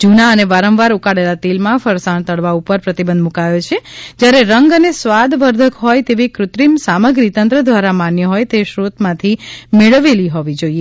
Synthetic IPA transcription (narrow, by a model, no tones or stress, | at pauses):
d͡ʒunaəneʋaɾəmʋaɾukaɽelat̪elmãfəɾsaɳ̃t̪əɽʋaupəɾpɾət̪ibənd̪mũkajot͡ʃʰed͡ʒjaɾeɾəŋɡənesʋad̪ʋəɾd̪ʱəkɦɔjt̪eʋikɾʊt̪ɾimsaməɡɾit̪ənt̪ɾəd̪ʋaɾamanjəɦɔjt̪eʃɾot̪mãt̪ʰimeɭəʋeliɦɔʋid͡ʒoie